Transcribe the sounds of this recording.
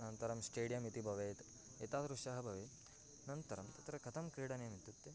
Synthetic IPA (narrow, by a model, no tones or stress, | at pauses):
nɐnt̪ɐɾɐmsʈeːɽijɐmit̪ibʱɐʋeːt̪ | et̪aːt̪ɾuʃaːɦɐbʱɐʋe | nɐnt̪ɐɾɐmt̪ɐt̪ɾɐkʰɐt̪ʰɐmkɾiːɽɐnjɐmit̪ːut̪ːi